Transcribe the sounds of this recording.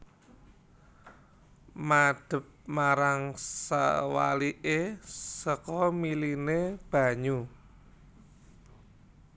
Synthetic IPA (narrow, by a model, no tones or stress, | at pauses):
mad̪̥ə̤p̚maɾaŋsa̰wa̰liʔesəkɔmilineb̥a̤ɲu